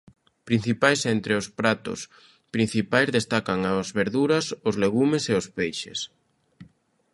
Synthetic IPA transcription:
pɾin̟θipajsɛnt̪ɾɪʊspɾat̪ʊ̰s | pɾin̟θipajzðest̪akaŋazβeɾðuɾɐsʊzleɣumeseospejʃḛs

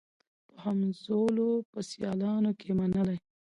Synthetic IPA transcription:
pəhamzolopəsjɑlɑnokʰemanəlaj

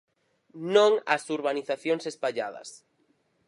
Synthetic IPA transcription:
nõŋɐ̰suɾβaniθaθjoŋsespaʎaðɐ̰s

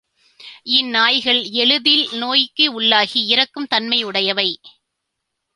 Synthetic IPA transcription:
ɪnːaːjɣɐɭɛɻɯðɪlnoːjɪkːɯʊɭːaːɣiɪɾɐkːɯmt̪ɐnmɐɪʊɽɐjɐʋɐɪ

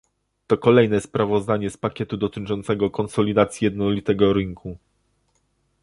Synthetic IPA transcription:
t̪ɔkɔlɛjnɛspɾavɔzd̪aɲɛspakʲɛt̪ud̪ɔt̪ɘt͡ʂɔnt̪sɛɡɔkɔntsɔlʲid̪at̪sʲjijɛd̪nɔlʲit̪ɛɡɔɾɘŋkʰu

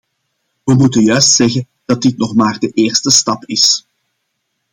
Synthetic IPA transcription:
ʋəmutənjœɥstsɛɣən | d̥ɑt̚dɪtnɔχmaːrdəʔeːrstəstɑpɪs

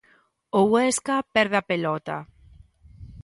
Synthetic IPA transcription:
owɛskapɛɾðapelɔt̪a̰

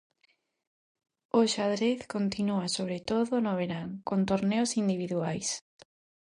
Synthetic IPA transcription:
oʃaðɾeθkont̪inuasoβ̞ɾet̪oðʊnoβ̞eɾaŋkont̪oɾneosind̪iβiðuajs

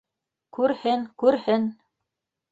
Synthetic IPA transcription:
kʉɾhɘŋkʉɾhɘn

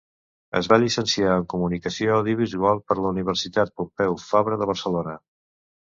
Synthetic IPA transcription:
ə̰zβaʎisənsiaəŋkumunikəsioəwðiuβizualˠpəɾləuniβ̞əɾsit̪at̪̚pumpɛwfaβɾəðəβ̞əɾsəlonə

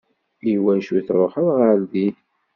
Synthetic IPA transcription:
iwænʃuθɾˤoħəðˤʁaɾðiθ

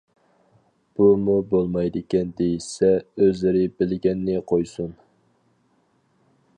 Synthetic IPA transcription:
b̥umubolˠmɑjd̪ɪkʲɛnd̪ejisɛøzlɪɾɪbɪlɡʲɛnːɪqʰojsun

